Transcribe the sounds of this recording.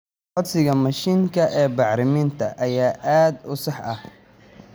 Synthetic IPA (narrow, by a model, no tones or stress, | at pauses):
ɔd̪sɪɣɐmɐʃiːŋkʰɐʔɛːbɑʕɾɪmiːnt̪ʰɐʔɐjaːʔaːd̪ʊsɑħʔɐh